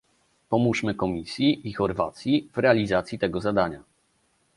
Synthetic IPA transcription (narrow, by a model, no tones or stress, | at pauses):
pɔmuʂmɘkɔmʲisʲjiʔːxɔɾva̰t̪sʲjivɾɛalʲizat̪sʲjit̪ɛɡɔzad̪aɲa